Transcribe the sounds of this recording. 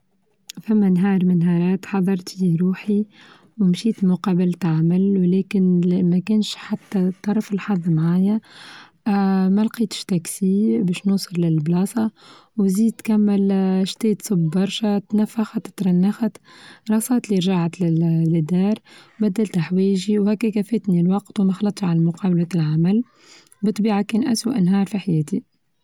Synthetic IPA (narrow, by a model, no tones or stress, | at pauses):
fæmːænɦɑːɾˤmɪnɦɑːɾˤɑːt̪ħɑðˤːɑɾˤt̪iɾuːħi | wmʃiːt̪mʊqɑːbɪlt̪aʕmɪlwlɛːkɪnmækʊnʃħat̪ːæt̪ˤːɑɾˤfɪlħɑðˤːmʕaːjæ | mælqiːt̪ə̥ʃt̪æksibɛːʃnuːsˤɨɾlɪlblɑːsˤɑwziːd̪̚t̪kæmːɪlʃt̪eːt̪sˤɨbːɑɾˤʃæt̪næfːaxat̪t̪ɾˤɑnːaxat̪ɾˤɑsˤɑːt̪liɾʒaʕat̪lɪd̪ɑːɾˤbæd̪ːælt̪aħwiːʒiwhækːækæfeːt̪nilwɑqt̪wmæxɑlɑt̪ˤʃʕalmʊqɑːbælæt̪lʕamæl | bɨt̪ˤːbiːʕakɛːnʔæswaʔnɦɑːɾˤfiħajɛːt̪i